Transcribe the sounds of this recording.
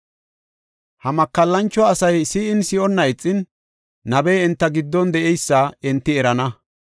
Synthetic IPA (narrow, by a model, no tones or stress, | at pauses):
hɐmɐkːɐlːɐnt͡ʃːɔɐsɐjsiːʔɪnsɪʔɔnːɐɪt͡sʼːɪnː | ɐbɛjɛnt̪ːɐɡɪd̪ːɔnd̪ɛʔɛjsːɐɪnt̪ːɪɛɾɐnɐ